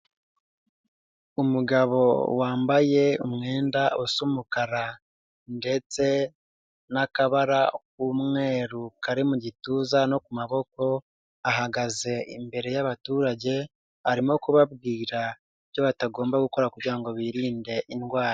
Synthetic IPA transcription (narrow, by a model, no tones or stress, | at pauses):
umuɡaβo̞waːmbaje̞ṵmŋe̞ːndausomukaɾa | nde̞t͡se̞ | nakaβaɾak̚uːmŋe̞ːɾukaɾimuɟituːzano̞kumaβo̞ko̞ | aɦaɡaze̞imbe̞ɾe̞jaβatuːɾaɟe̞ | aɾimo̞kuβabɡiːɾa | iβjo̞βataɡo̞ːmbaɡuko̞ɾakuɾɟiɾaŋɡo̞βiːɾiːnde̞ʔinɡwaːɾa